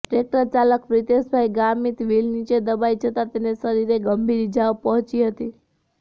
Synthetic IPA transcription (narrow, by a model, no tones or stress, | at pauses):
ʈɾek̚ʈəɾt͡ʃaləkpɾit̪esbʱajɡamit̪ʋilnit͡ʃed̪əbajd͡ʒʱət̪at̪enesəɾiɾeɡəmbʱiɾid͡ʒaʋpəɦɔ̃t͡ʃiɦət̪i